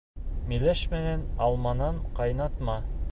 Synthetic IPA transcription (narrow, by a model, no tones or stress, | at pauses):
milæʃmænænɑlˠmɑnɑɴqɑjnɑt̪mɑ